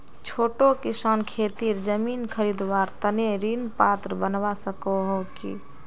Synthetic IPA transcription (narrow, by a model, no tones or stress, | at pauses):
t͡ʃʰoːʈokisaːnkʰet̪iɾd͡ʒəminkʰəɾid̪ʋaɾt̪əneɾinpat̪ɾəbənʋasəkɔɦokḭ